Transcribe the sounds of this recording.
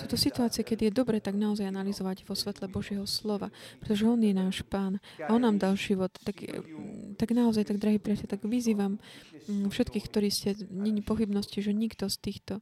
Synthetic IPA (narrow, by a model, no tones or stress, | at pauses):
suːt̪ɔsit̪uaːt͡sijɛkɛd̪ijɛd̪ɔbɾɛːt̪aɡnaɔzajanalizɔʋaɟʋɔsʋɛt̪lɛbɔʒɪjɛɦɔslɔʋa̰pɾɛt̪ɔʒɛɔnjɛnaːʃpaːnaɔnːaːmd̪alʒiʋɔt̪t̪ːaɡ | t̪aɡnaɔzajt̪aɡ̚d̪ɾaɦipɾiacɛt̪aɡʋiziːʋam | fʃɛt̪kiːxkt̪ɔɾiːscɛɲɛɲipɔxibnɔsciʒɛɲiɡd̪ɔst̪iːxt̪ɔ